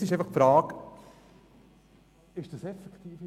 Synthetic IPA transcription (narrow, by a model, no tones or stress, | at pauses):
sɪʃ̬ɛfɑχfɾɑːk | ɪʃd̥ɑsɛfɛkχtiːf